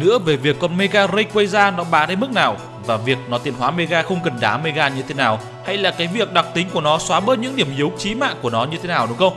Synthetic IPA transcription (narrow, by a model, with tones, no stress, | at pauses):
nɨ̰˧˥əve˨˩vi˨˩əkːɔ˧nme˧ɣaː˧ɣə˧jkwə˧jzaː˧nɔ˨˦ɓaː˨˦na˧jmɨ˦˥k̚naː˨˩w | vaː˨˩vi˨˩ək̚nɔ˨˦t̪i˨˩ənɦwaː˨˦me˧ɣaː˧xə˧wŋ͡mkə˨˩nɗaː˨˦me˧ɣaː˧ɲɨ˧t̪ʰe˨˦naː˨˩w | ha˧jlaː˨˩kaː˨˦jvi˨˩ək̚ɗa˨˩k͡p̚t̪ï˨˦ŋ̟ku˧˩ənɔ˨˦swaː˨˦ɓəː˧˥ɲɨ̰˧˥ŋɗi˧˩əmʔi˨˦wt͡ɕi˨˦ma̰ː˧˨ŋku˧˩ənɔ˨˦ɲɨ˧t̪ʰe˨˦naː˨˩wɗʊ˨˦ŋ͡mxə˧wŋ͡m